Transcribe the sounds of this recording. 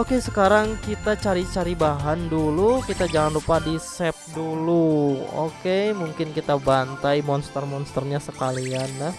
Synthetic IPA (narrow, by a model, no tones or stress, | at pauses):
okesəkaɾaŋkit̪at͡ʃaɾit͡ʃaɾibaɦandulukit̪ad͡ʒaŋanrupadisɛp̚duluo̰kemuŋkɪnkit̪abant̪ajmɔnst̪ərmɔnst̪ərɲasəkalianːah